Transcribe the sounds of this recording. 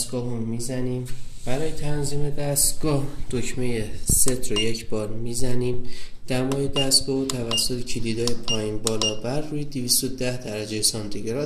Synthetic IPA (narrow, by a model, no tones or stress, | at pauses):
st̪ɡ̥ɒːɦumːiːzæniːmb̥æɾɒːje̞t̪ʰænziːme̞d̪æst̪ɡɒːhd̪̥ocʰme̞jese̞t̪ʰɾoje̞cʰbɒːɾmiːzæniːmd̪̥æmɒːjed̪æst̪ɡ̥ɒːɦot̪ʰævæsːo̞t̪ʰecʰilid̪ɒːjepʰɒːjiːnbɒːlɒːbæɾːuːjed̪iviːst̪od̪æhd̪æɾæd͡ʒejesɒnt̪ʰiɡeɾɒ